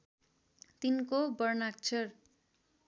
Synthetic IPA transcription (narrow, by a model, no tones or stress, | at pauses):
t̪inkobʌrnak̚t͡sʰʌr